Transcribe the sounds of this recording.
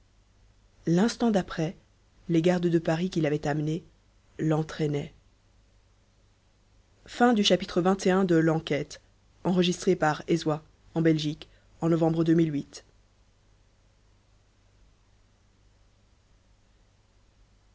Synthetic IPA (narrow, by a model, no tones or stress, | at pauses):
lɛ̃st̪ɑ̃d̪apχɛ | leɡaʁd̪d̪əpaʁikʲilavɛt̪amne | lɑ̃t̪χɛnɛ | fɛ̃d̪yʃapit̪χəvɛ̃t̪eɛ̃d̪əlɑ̃kʲɛt̪ | ɑ̃ʁəʒist̪χepaʁezwa | ɑ̃bɛlʒik | ɑ̃nɔvɑ̃bʁəd̪ømilɥit̪